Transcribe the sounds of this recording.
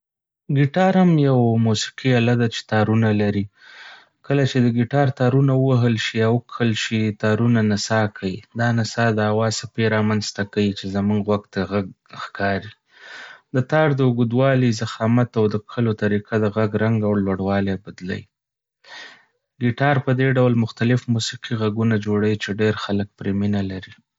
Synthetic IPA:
ɡiʈɑɾhamjawmusi̥qialad̪at͡ʃe̥t̪ɑɾunalaɾi | kəlat͡ʃed̪əɡiʈɑɾt̪ɑɾunawəwaɦəlʃiawkəlʃit̪ɑɾunanasɑkʰawid̪ɑnasɑd̪əawɑzsapeɾɑmanst̪akawit͡ʃezamuŋɡɣwaɡt̪aɣaɡ̚ | xkʰɑɾi | d̪ət̪ɑɾd̪əʊɡud̪wɑlizaxɑmat̪awd̪əkʰəlot̪aɾiqad̪əɣaɡɾaŋɡawlwaɽwɑlebad̪la̰j | ɡiʈɑɾpəd̪eɖawlmʊxt̪alɪfmusiqiɣaɡunad͡ʒoɽawit͡ʃeɖeɾxalək̚pɾeminalaɾi

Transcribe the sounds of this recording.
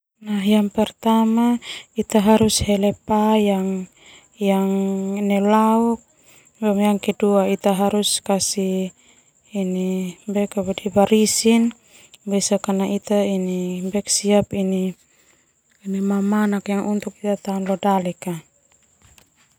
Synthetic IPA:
naɦjaŋpɛrt̪amait̪aɦaɾushɛlɛpajaŋ | jaŋnɛlaɔk̚ | bamjaŋkɛduait̪aɦaɾuskasiː | nibɛkabadibaɾisin | bisakanaʔit̪ainibɛksiapini | nimamanakjaŋunt̪uk̚it̪at̪aunlɔdalɛka

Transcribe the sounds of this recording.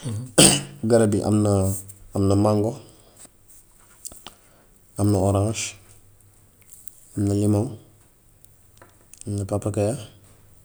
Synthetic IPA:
ɡaɾadiʔa̰mnaamnɐmaŋɡo | amnɐoɾaŋʃ | amnalimaŋ | mnapapːakaja

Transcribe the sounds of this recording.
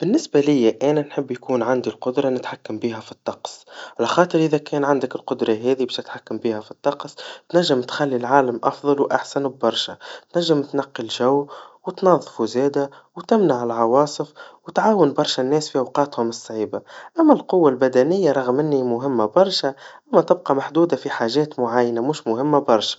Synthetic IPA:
b̥ɪnːɪsbalɪjːaʔæːnænħɪbːjkuːnʕand̪ilqʊd̪ɾˤɑnɪt̪ħakːambiːɦæfi̥t̪ˤːɑqsˤʕalɑxɑːt̪ˤɨɾʔɪðækɛːnʕand̪ɪkɪlqʊd̪ɾˤɑɦɛːðibɛːʃnɪt̪ħakːambiːhæfi̥t̪ˤːɑqst̪næʒːɪmt̪xælːilʕaːlamʔɑfðˤɑlwʔaħsanb̚bɑɾˤʃat̪næʒːɪmt̪nɑqːilʒawwɪt̪nɑðˤːfuzɛːd̪a | wt̪ɪmnaʕɪlʕɑwɑːsˤɨfwt̪ʕaːwɪnbɑɾˤʃanːɛːsfiʔɑwqɑːt̪hʊmɨsˤːʕiːbaʔæmːælqʊwːalbæd̪ænɪjːaɾˤɑɣmɪnːimʊɦɪmːabɑɾˤʃaʔamːæt̪ɪb̚qɑmaħd̪uːd̪afiħaːʒɛːt̪mʊʕajːnamʊːʃmʊhɪmːabɑɾˤʃḁ

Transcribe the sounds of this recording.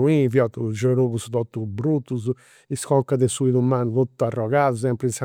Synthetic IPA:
uivjɔt̪ud͡ʒeɾuβust̪ɔt̪ːubɾut̪ːuz̬ | iskɔŋkad̪ɛsuiðumant̪ut̪ːuarːɔɣaðusɛmpɾisa

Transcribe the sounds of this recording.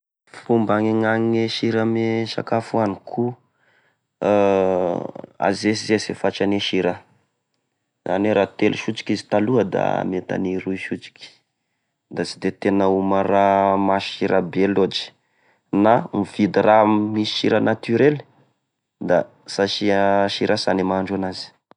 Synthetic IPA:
fumbaŋeŋaŋeʃiɾameʃa̰kafuanikʰu | a̰zesizesefat͡ʃaneʃiɾa | za̰neɾat̪eluʃut͡ʃi̥kizi̥t̪aluəd̪a̰met̪a̰niɾuiʃut͡ʃi̥kʲi̥ | d̪asid̪et̪enəumaramaʃiɾabelod͡ʒi̥ | namivid̪ramisi̥ʃiɾanat̪yɾel | d̪a | saʃiʃiɾʔasanemaɳɖ͡ʐanazi̥

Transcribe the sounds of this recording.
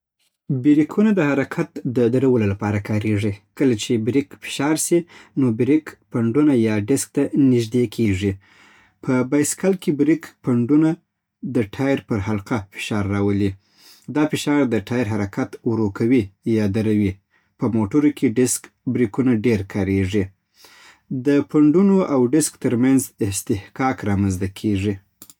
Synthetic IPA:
bɪɾikʰunad̪əhaɾakʰat̪d̪əd̪aɾawəlolapɑɾakʰɑɾeʐikəlat͡ʃebɾikfɪ̥ʃɑɾsinobɾikpaɳɖunajɑɖɪsk̚t̪anɪʒd̪ekʰeʐi | pʰəbajskalkebɾikpaɳɖuna | d̪əʈʰɑjɾpəɾhalqafɪ̥ʃɑɾːɑwəli | d̪ɑfɪʃɑɾd̪əʈʰɑjɾɦaɾakʰat̪wɾokʰawijɑd̪aɾawi | pəmoʈuɾokʰeɖɪsk | bɾikunaɖeɾkʰɑɾeʐi | d̪əpaɳɖunoʔawɖɪskt̪əɾmanzɪst̪ɪhkɑkɾɑmanzt̪akʰeʐi

